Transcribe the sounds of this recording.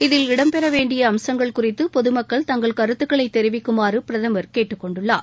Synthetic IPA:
ɪðɪlɪɽɐmpɛɾɐʋeːɳɖɪjɐːmsɐŋɡɐɭkʊrɪt̪ːɯpɔðɯmɐkːɐɭt̪ɐŋɡɐɭkɐɾɯt̪ːɯkːɐɭɐɪt̪ːɛɾɪʋɪkːɯmaːrɯpɪɾɐðɐmɐɾkeːʈːɯkːɔɳɖɯɭːaː

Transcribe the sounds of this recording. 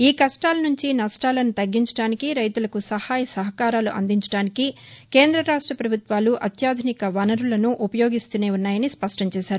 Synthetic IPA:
iːkɐʂʈaːlɐnuɲt͡ʃinɐʂʈaːlɐnut̪ɐɡːiɲt͡ʃɐɽaːnikiɾɐjt̪ulɐkusɐhaːjɐsɐɦɐkaːɾaːluʔɐ̰nd̪iɲt͡ʃɐ̥ɽaːnikikeːnd̪ɾɐɾaːʂʈɾɐpɾɐbʱut̪ʋaːluʔɐt̪jaːd̪ʱinikɐʋɐnɐɾulɐnuʔupɐjo̞ːɡist̪une̞ːunːaːjɐnispɐʂʈɐɲt͡ʃɛːʃaːɾuu

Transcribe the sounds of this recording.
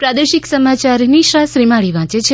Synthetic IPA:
pɾad̪əʃiksəmat͡ʃaɾniʃɾasɾimaɭiʋãt͡ʃet͡ʃʰe

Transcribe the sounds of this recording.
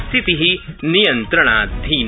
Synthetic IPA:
t̪it̪iɦinijɐ̃nt̪ɾəɽ̃aːd̪ʱiːn

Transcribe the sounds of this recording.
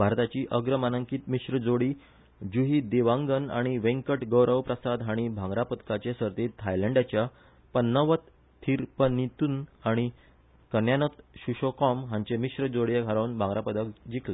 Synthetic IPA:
bʱaɾt̪at͡ɕiːʔəɡɾəmanəŋkiːt̪miɕɾəd͡zoɽiː | d͡ʑuɦiːd̪eʋãŋɡəna̰ɽ̃iʋẽŋkəʈɡəwɾəʋpɾəsad̪ɦaɽ̃ibʱãŋɡɾapət̪kat͡ɕesəɾt̪et̪ʰːajleɳɖat͡ɕja | pənːəʋət̪ʰː | iɾpənit̪unaɽ̃i | kənjanət̪ɕuɕokɔmɦãɲt͡ɕemiɕɾəd͡zoɽjeɡʱaɾanbʱãŋɡɾapəd̪əkd͡ʑikʰle

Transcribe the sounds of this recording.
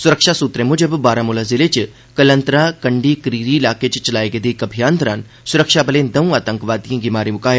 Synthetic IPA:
sʊɾəkʃasuːt̪ɾeːmũd͡ʒəbbaːɾãːmʊlaːzɪlet͡ʃ | kɐlə̃nt̪ɾãːkɐɳɖikɾiːɾiɪlaːket͡ʃt͡ʃɐlaːeɡed̪iːkɐbʱijãːnd̪ɐɾãːn | sʊɾəkʃaːbəlẽːnd̪ɐũaːt̪ə̃ŋkʋaːd̪ijẽːɡimaːɾimʊkaːj

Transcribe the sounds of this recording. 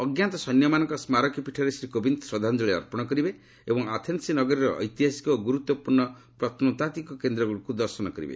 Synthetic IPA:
ɔɡjant̪ɔsɔnjɔmanɔ̃ŋkɔsmaɾɔkjipiʈʰɔɾesɾikobʱind̪sɔd̪ʱand͡ʒɔɭeɔ̰ɾpɔɽ̃ɔkɔɾibe | ebɔŋat̪ʰensinɔɡɔɾiɾɔʔɔ̰jt̪iɦasi̥kɔɡuɾut̪wɔpuɾɳɔ | pɾɔt̪ʰnut̪at̪ikɔkend̪ɾɔɡuɭikud̪ɔɾsɔnɔkɔɾḭbḛ

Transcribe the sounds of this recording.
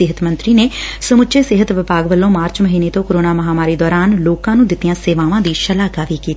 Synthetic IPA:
ɪɦət̪mə̃nt̪ɾiːneːsəmʊt͡ʃʰʃeːsɪɦət̪ʋɪpaːɡʋəlːõːmaːɾt͡ʃməɦiːneːt̪õːkəɾoːnaːməɦaːmaːɾiːd̪ɔːɾaːnloːkãːnũːd̪ɪt̪ijãːseːʋãːʋãːd̪iːʃəlaːɡaːʋiːkiːt̪ː

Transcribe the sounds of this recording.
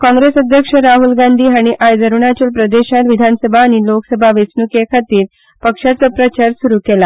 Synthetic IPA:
kɔ̃ŋɡɾesəd̪ʱjəkʂəɾaɦulɡand̪ʱiːɦaɽ̃iʔajd͡zəɾuɳat͡ɕiːlpɾəd̪eɕat̪ʋid̪ʱanəsəbʱaːɽ̃iloksəbʱaʋəsnukekʰat̪iːɾ | pəkʂat͡səpɾət͡ɕaɾsuɾuːkɛla

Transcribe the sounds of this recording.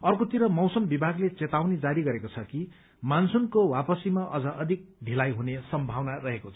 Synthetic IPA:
ʌrkot̪iɾʌmʌwsʌmbibʱaɡlet͡set̪awned͡zaɾiɡʌɾekot͡sʰʌki | mansunkowapʌsimaʔʌd͡zʌʔʌd̪ʱik̚d̪ʱilajɦunesʌmbʱawnarʌɦekot͡sʰʌ̥

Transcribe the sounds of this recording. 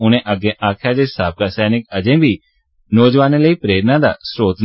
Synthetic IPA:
ʊnẽːʔəɡːẽːʔaːkʰɪjaːd͡ʒeːsaːb̚kaːsɛːnɪkəd͡ʒẽːbiː | nɔːd͡ʒʋaːnẽːləiːpɾeːɾnãːd̪a̰ːsɾoːt̪n

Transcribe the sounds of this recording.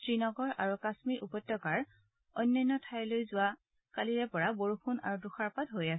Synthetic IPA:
tɹinɔɡɔɹa̰ɹukasmiɹʔupɔtɹɔkaɹ | ɔjnːɔjnːɔtʰajlojzʊwa | kaliɹɛpɔɹaboɹuxʰuna̰ɹuduxaɹpatɦojasɛ

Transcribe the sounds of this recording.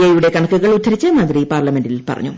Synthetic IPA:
ɐjuɽe̞kɐɳɐkːuɣɐɭutʰːɐɾit͡ɕːɐmaːd̪ripaːrlɐme̞ndilpɐ̰rɐ̰ɲːu

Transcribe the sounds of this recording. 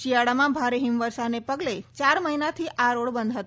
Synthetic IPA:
ʃijaɽamãbʱaɾeɦimʋəɾsanepəɡlet͡ʃaɾməɦinat̪ʰiʔaɾoɽbənd̪ʱɦət̪

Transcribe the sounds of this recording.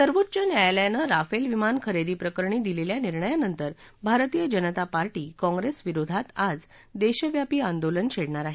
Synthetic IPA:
səɾʋot̪ːt͡ɕənajaljanəɾafelʋimankʰəɾed̪iːpɾəkəɾɳiːd̪ileljaniɾɳəjanənt̪əɾ | bʱaɾt̪ijəd͡ʑənət̪apaɾʈiːkɔ̃ŋɡɾesʋiɾod̪ʱat̪ad͡z | d̪eɕəʋjapiːand̪olənt͡ɕʰeɽɳaɾaɦ

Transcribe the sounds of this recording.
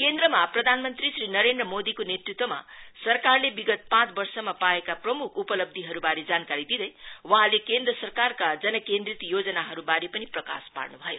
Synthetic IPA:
kend̪rʌmaprʌd̪ʱanmʌnt̪risrinʌɾend̪rʌmod̪ikonet̪rit̪wʌma̰sʌrkarlebiɡʌt̪̚pãt͡sbʌrsʌmapaekaprʌmukʰupʌlʌb̚d̪ʱiɦʌɾubaɾed͡zankaɾid̪id̪ʌjwʌ̃ɦãlekend̪rʌsʌrkarkad͡zʌnʌkend̪rit̪jod͡zʌnaɦʌɾubaɾepʌniprʌka̰spa̰rnubʱʌjo

